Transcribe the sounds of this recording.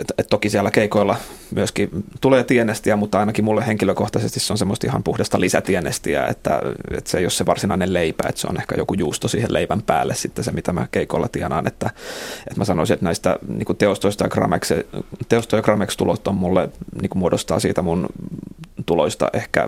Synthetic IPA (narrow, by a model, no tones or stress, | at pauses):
et̪t̪okisiælːækeikoilːɑmyøskit̪uleːt̪ienest̪iæmut̪ːɑinɑkimulːeheŋkiløkoht̪ɑsest̪isseonsemːost̪ihɑmpuhdest̪ɑlisæt̪ienest̪iæ̰ḛt̪ːæ̰ḛt̪seijosseʋɑrsinɑinelleipæḛt̪seo̰nehkæ̰jokujuːst̪osiːheleiʋæmpæ̰ːlːessit̪ːesemit̪æmæ̰keikoilːɑt̪ienɑːnḛt̪ːæet̪mæsɑno̰isiet̪næist̪æ̰niːkut̪eost̪oist̪ɑjɑkrɑ̰mḛksḛt̪eost̪ojɑkrɑmekst̪ulot̪ːommulːeniːkumuodost̪ɑ̰ːsḭːt̪æmun | t̪uloist̪ɑ̰ʔehkæ̰